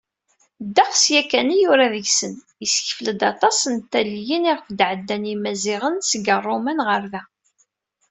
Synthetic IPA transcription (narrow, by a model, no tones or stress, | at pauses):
d̪ːɑqsjækːænijʊɾæðəʝsən | əsə̥çəfləd̪ɑt̪ˤɑsənt̪ːæljəniʁfd̪ʕəd̪ːænimæzɪʁənsəɡərˤːomænʁəɾðæ